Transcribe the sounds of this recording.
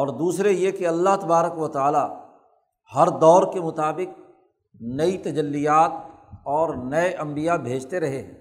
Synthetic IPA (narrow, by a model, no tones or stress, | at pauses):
ɔːɾd̪uːsɾejekeɐlːaɦt̪ɐbaːɾəkʋɐt̪aːla | hɐɾd̪ɔːɾkemʊt̪aːbɪk̚ | nɐit̪ɐd͡ʒəlːijaːt̪̚ | ɔːɾnɐeʔɐ̃mbijabʱeːd͡ʒt̪eɾɐɦeɦɛ̃ː